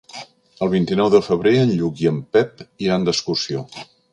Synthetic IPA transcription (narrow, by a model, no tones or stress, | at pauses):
əlˠβ̞int̪inɔwðəfəβ̞ɾeənʎukiəmpɛp̚iɾand̪əskursio